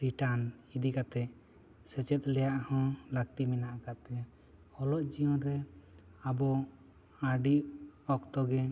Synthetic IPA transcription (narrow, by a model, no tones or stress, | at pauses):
ɾiʈanid̪ikat̪ɛ | sɛt͡ʃɛt̪̚lɛjaʔhɔ̃lak̚t̪iminaʔakat̪ɛ | hɔlɔʔd͡ʒijɔnɾɛ | abɔ | aɖiʔɔkt̪ɔɡɛ